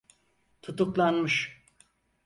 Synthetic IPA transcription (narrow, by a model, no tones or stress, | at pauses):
t̪ʰut̪uklˠanmɯʃ